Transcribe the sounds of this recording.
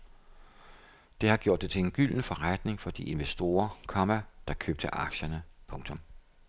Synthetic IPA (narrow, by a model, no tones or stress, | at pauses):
d̥e̝hɑ̈ɡ̥jo̝̰ɐ̰d̥ːet͡sʰe̝le̝nɡ̥yl̰nfɒ̽ʁad̥ne̝ŋfɒ̽d̥iʔe̝nʋesd̥o̝̰ːɐkʰɒmæd̥ɑ̈kʰø̰b̥̚d̥əʔɑ̈ɡ̥ɕɐnəpʰɔ̽ŋt͡sʰɒ̽m